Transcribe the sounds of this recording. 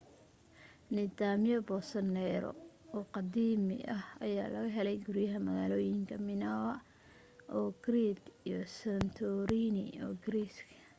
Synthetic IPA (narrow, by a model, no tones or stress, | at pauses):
nɪd̪aːmjɔbɔsɐnɛːɾɔ̰ | ɔːqɑd̪iːmɪ̰ʔɐhɐjaːlɐɣɐɦɛlɛjɡʊɾjɐɦɐmɐɣaːlɔːjɪŋkʰɐmɪnaːwɐ | ʔɔːɡ̥ɾid̪ijɔsɐnt̪ʰɔɾiːnɪ̰ɔːɡɾiskʰɐ